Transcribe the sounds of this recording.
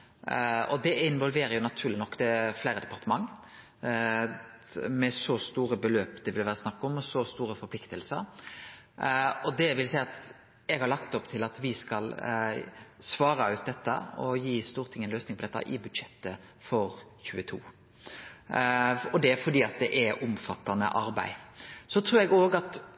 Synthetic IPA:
ɔd̪ɛɪnʋɔlʋeːɾəjʊnɑt̪ʰʉːɾlɪnɔkːd̪ɛflæɪɾəd̪ɛpɑʁt̪əmɑŋː | mɛsɔst̪uːɾəbəløːpd̪ɛʋɪlʋæːɾəsnɑkːɔmːɔsɔst̪uːɾəfɔɾpʰlɪkt̪əlsəɾ | ɔd̪ɛʋɪlsæɪɑt̪ | ɛɡhɑɾɭɑkt̪ɔpt̪ʰɪlɑt̪ʋɪskɑl | sʋɑːɾɑʉːt̪̚d̪ɛt̪ːə̰ɔjiːst̪uːʁt̪ʰɪŋːənløːsnɪŋpʰɔd̪ɛt̪ːɑ̰ʔɪbʉd̪ʂɛt̪ːə | fɔɾ | çʉːət̪ʰṵː | ɔd̪ɛæɾfɔd̪iːɑt̪̚d̪ɛʔɛʊmfɑt̪ːɑnə̰ʔɑɾbæ̰ɪsɔt̪ʰɾʉːɾɛɡoːɡɑt̪

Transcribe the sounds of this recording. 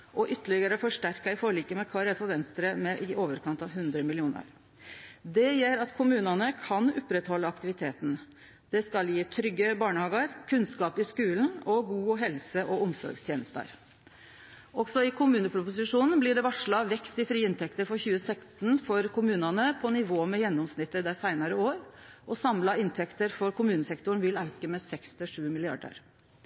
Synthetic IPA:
ʔɔʔʏt̪ːəɭɪɡəɾəfɔʂʈæɾkəɪfoːɾəɭiːkəmɛkʰɑːɾæfɔɾʋɛnst̪ɾəmɛʔɪʔoːʋəɾkʰɑnt̪ɑʋɦʉnd̪ɾəmɪlɪuːnə̰ɾ | d̪ɛjeːɾɑt̪kʰʊmʉːnɑnəkʰɑnɔpɾɛt̪hɔlːəɑkt̪ɪʋɪt̪ʰeːt̪n̩ | d̪̥ɛskɑljiːt̪ʰɾʏɡːəbɑːɳəhɑːɡəɾkʰʉnskɑːpɪskʉːlnɔɡuːɦɛlsəʔɔʊmsɔ̰ɾɡst̪ʰjeːnəst̪ə̰ɾ | ʔɔɡsɔɪkʰʊmʉːnəpʰɾʊpʊsɪʂuːnn̩blɪɖɛʋɑʂɭɑʋɛkst̪ɪfɾiːɪnt̪ʰɛkt̪əɾfɔɾçʉːəsɛkst̪nfɔɾkʰʊmʉːnɑnəpʰɔnɪʋoːmɛjɛnːɔmsnɪt̪ːəɾd̪æsæɪnɑɾəoːɾʔɔsɑmlɑɪnt̪ʰɛkt̪əɾfɔɾkʰʊmʉːnəsɛkt̪ʊɳ̩ʋɪlɑʉkəmɛsɛkst̪ʰɪlʂʉːmɪlɪɑ̰ɖə̰ɾ

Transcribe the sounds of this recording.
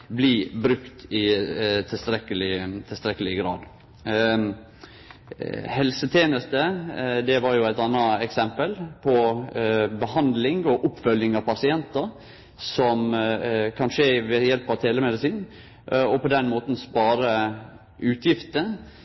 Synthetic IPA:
blibɾʉkt̪ɪt̪ʰɪlst̪ɾɛkːəlɪt̪ʰɪst̪ɾɛkːəlɪɡɾɑ̰ːd̪ | hɛlsət̪ʰjeːnəst̪əd̪ɛʋɑɾjʊæɪt̪ɑnːɑɛksɛmpəlpʰɔ | bəhɑnd̪lɪŋɔʔʊpːfœljɪŋɑʋpɑsɪɛnt̪əɾ | sɔm | kʰɑnʂeʋɛjɛlpɑʋt̪ʰeːləmɛd̪ɪsiːn | ʔɔpɔd̪ɛnmoːt̪n̩spɑːɾə | ʉːt̪ʰjɪft̪ə

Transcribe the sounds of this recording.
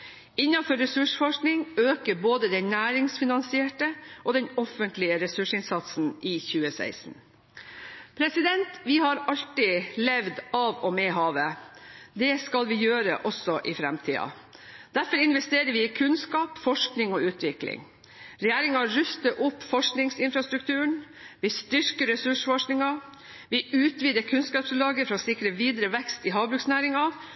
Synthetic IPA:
ɪɲːɑfɔɾːɛsʉʂfɔʂknɪŋøːkəboːd̪əd̪ɛnnæːɾɪŋsfɪnɑnsɪɛːʈəʔɔd̪ɛnɔfənt̪lɪəɾɛsʉʂɪnsɑt̪sn̩ʔɪçʉːəsæ̰ɪsn̩ | pʰɾɛsɪd̪ɛnt̪ʋɪhɑɾɑʎt̪ɪlɛʋd̪ɑʋɔmɛɦɑːʋəd̪ɛskɑlʋɪjøːɾə̰ʔɔsɔʔɪfɾɛmt̪ʰiːɑ̰ | d̪̥æɾfɔɾɪnʋɛst̪eːɾəʋɪɪkʰʉnskɑːpfɔʂknɪŋɔʉːt̪ʰʋɪklɪ̰ŋ | ɾɛjæːɾɪŋɑɾʉst̪əʔʊpːfɔʂknɪŋsɪnfɾɑst̪ɾʉkt̪ʰʉːəɳ | ʋɪst̪ʏɾkəɾɛsʉʂfɔʂknɪŋɑ | ʋɪʔʉːt̪ʋiːd̪əkʰʉnskɑːpslɑːɡəfɾɑɔːsɪkːɾəʋiːd̪ɾəʋɛkst̪ɪɦɑːʋbɾʉːksnæːɾɪŋɑ

